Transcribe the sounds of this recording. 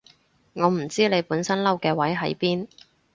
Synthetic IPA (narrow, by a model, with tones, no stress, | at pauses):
ŋɔː˨˧m̩˨˩t͡siː˥le˨˧jpuː˨˥nsɐ˥nlɐ˥wkɛː˧wɐ˨˥jɦɐ̰˨˥jpiː˥n